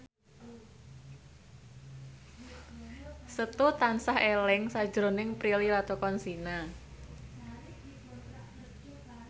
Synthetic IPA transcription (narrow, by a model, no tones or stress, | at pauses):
sət̪ut̪ansahelɪŋsad̥ʒ̥ɾo̤nɪŋpɾililat̪okɔnsina